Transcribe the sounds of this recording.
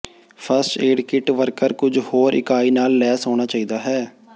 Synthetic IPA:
pʰəɾsʈeːɖkɪʈʋəɾkəɾkʊd͡ʒhoːɾɪ̰kaːiːnaːlːɛːsoːɽ̃aːt͡ʃaːiːd̪aːɦɛː

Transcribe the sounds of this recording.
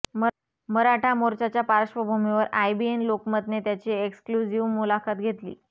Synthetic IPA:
məɾaʈʰamoɾt͡ɕat͡ɕjapaɾəɕʋəbʱumiʋəɾajbienlokməd̪net̪jat͡ɕieksklud͡ʑiʋmulakat̪ɡʱet̪lḭː

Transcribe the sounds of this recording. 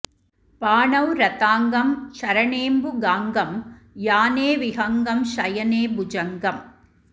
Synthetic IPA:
paːɳɐʋɾɐt̪aːŋɡɐmʃɐɾɐɳeːmbuɡaːŋɡɐm | jaːneːʋiɦɐŋɡɐmʃɐjɐneːbʊd͡ʒɐŋɡɐm

